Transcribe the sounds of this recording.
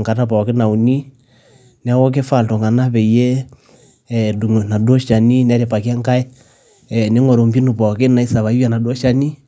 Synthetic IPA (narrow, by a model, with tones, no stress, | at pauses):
ŋka˨ta˦pɔ˨ke˦na˨u˨ni˦ | n˨a˦wɔ˦k̬e˦fa˨lto˨ŋa˨na˦βɛ˨i˨jɛ˦˨ | du˨ŋ˨na˨do˦ʃa˨ni˦n˨a˦ɾe˨pa˨ki˦a˦ŋka˦ɛ˦˨ | ne˨˦ŋɔ˨ɾo˨mbi˦nu˨pɔ˨ke˦na˨i˦sa˨βa˨i˦wja˨na˨dɔ˦ʃa˦ni˦